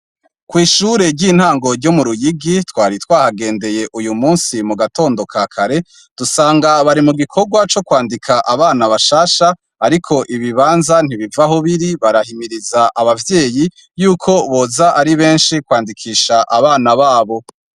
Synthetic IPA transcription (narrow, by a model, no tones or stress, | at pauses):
kwiːʃuːɾe̞ɾɟiːn̥haːŋɡo̞ɾɟo̞muɾujiɡitwaːɾitwaːhaɡe̞ːnde̞je̞ʔujumuːnsimuɡato̞ːndo̞kʰaːkʰaɾe̞ | d̥usaːŋɡaβaɾimuɡikʰo̞ɡwat͡ʃo̞kwaːndikʰaʔaβaːnaβaʃaːʃaː | ɾikʰo̞ʔiβiβaːnzan̥iβivaɦoβiɾiβaɾahimiɾizaʔaβavje̞ːji | juːkʰo̞βo̞ːzaʔaɾiβe̞ːnʃikwaːndikʰiːʃaʔaβaːnaβaːβo̞